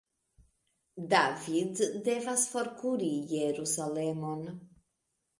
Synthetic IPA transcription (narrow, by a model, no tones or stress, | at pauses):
d̪avid̪d̪evasfɔɾkuɾijeɾusalemon